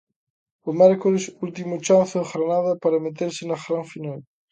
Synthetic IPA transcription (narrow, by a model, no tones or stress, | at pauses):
ʊmɛɾkoɾɪsult̪imʊt͡ʃanθɪðeɣɾanaðɐpaɾɐmet̪eɾsɪnɐɣɾaɱfinal